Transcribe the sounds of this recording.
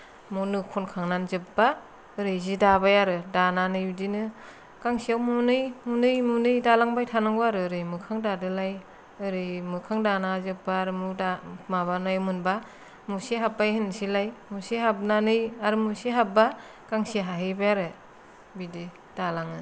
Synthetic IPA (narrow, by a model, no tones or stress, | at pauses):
munɯkʰɔnkʰaŋnanzɯp̚ba | ɯɾɯjzidabajaɾɯdananɯjbidinɯ | kaŋsiawmunɯjmunɯjmunɯjdalaŋbajtʰanɯŋbɯaɾɯɾɯjmɯkʰaŋdadɯlaj | ɯɾɯjmɯkʰaŋdanazɯp̚baɾɯmudamaβanajmɯnba | musiɦap̚bajɦɯnsilajmusiɦap̚nanɯjaɾɯmusiɦap̚ba | kaŋsiɦaɦɯjbajaɾɯ | bidi | d̥alaŋɯ